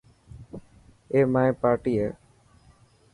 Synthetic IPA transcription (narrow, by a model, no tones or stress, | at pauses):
eːmaːjpaːɾʈiːeː